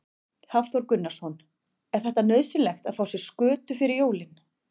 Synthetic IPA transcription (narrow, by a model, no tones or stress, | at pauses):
hafθvɔɾkʏnːḁsɔn | ɛɾ̥θɛht̪anœɥðsɪnlɛxt̪aðfaːwsjɛɾ̥skʏːt̪ʏfɪɾɪɾjoːwlɪn